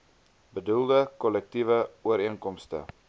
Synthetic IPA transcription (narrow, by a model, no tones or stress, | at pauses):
bədulˠdəkɔlɛk̚tivəuəɾiənkɔmstə̰